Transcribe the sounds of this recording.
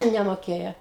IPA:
nʲɛmoːˈkʲeːjɛ

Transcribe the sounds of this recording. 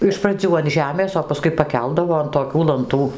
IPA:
ɪʃ prɐˈd͡zʲuː ɐn ˈʒʲæːmʲeːs oː pɐˈskʊɪ pɐˈkʲɛlˠdɐʋoː ɐn toːˈkʲuː lˠɐnˈtuː

